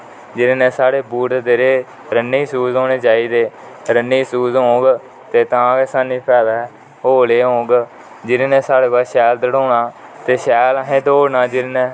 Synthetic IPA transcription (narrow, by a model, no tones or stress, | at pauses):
d͡ʒɪɾnẽːsaːɽeːbuːʈːd̪eːɾeː | ɾənːiːsuːzoːɽ̃eːt͡ʃaːiːd̪eː | ɾənːiːsuːzɦõːɡ | t̪eːt̪ãːkesaːniːpʰɛːʋɛː | ɦoːleːɦõːɡ | d͡ʒɪɾenẽːsaːɽeːkaːʃɛːld̪əɽoːnaːt̪eːʃɛːlaɦẽːd̪oːɽnãːd͡ʒɪɾnɛ̃ː